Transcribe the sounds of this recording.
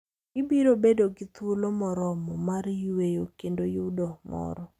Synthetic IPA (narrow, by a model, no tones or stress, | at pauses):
ɪbiɾobedoɡɪt̪wolomɔɾɔmɔmaɾjwejokendojʊdɔmɔ̰ɾɔ